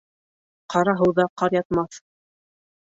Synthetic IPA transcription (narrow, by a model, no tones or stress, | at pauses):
qɑɾɑɦɤ̆wðɑqɑɾjɑt̪mɑθ